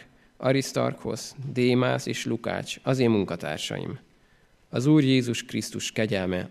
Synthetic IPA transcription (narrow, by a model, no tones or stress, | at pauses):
ʔɒɾist̪o̰rkho̞̰zd̪eːmaːseːʃluka̰ːt͡ʃɒzeːmːuŋkɒt̪a̰ːrʃɒ̰jḭm | ɒzuːrjeːzuʃkrist̪uʃkɛɟɛlmɛ